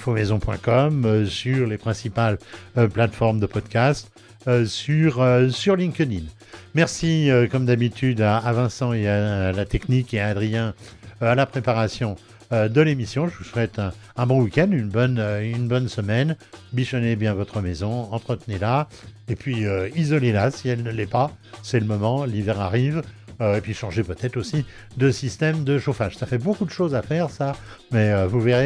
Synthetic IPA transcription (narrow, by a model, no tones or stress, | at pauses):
fomezɔ̃pwɛ̰̃kɔmøsyʁlepχɛ̃sipaløplat̪fɔʁmd̪əpɔd̪kʲast̪ | øsyʁøsyʁlĩŋkəd̪in | mɛʁsiøkɔmd̪abit̪ʰyd̪aːvɛ̃sɑ̃ealat̪ɛknikeaːd̪ʁijɛ̃alapχepaʁasjɔ̃ | ød̪əlemisjɔ̃ʒəvusɛt̪ɛ̃ː | bɔ̃wikʲɛ̃d̪ynbɔnøynbɔnsəmɛnbiʃɔnebjɛ̃vɔt̪χəmɛzɔ̃ɑ̃t̪χət̪nela | epɥiøizɔlelasiɛlnəlɛpasɛləmɔmɑ̃livɛʁaʁivøepɥiʃɑ̃ʒepøt̪ɛt̪χosi | d̪əsist̪ɛmd̪əʃofaʒsafɛbokud̪əʃozafɛʁsa | mɛøvuveʁe